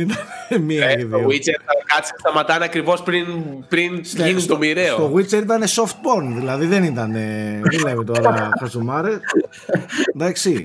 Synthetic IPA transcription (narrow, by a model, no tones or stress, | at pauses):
it̪ɐnmiɐiðoioɣwit͡seɾɐkɐt͡si̥st̪ɐmɐt̪ɐnɐkɾivo̞spɾinpɾininit̪omiɾeot̪oɣwit͡seɾit̪ɐne̞so̞ft̪̚boɾnðilɐðiðe̞nit̪ɐne̞ðilevit̪o̞ɾɐxɐzumɐɾe | d̪ɐksi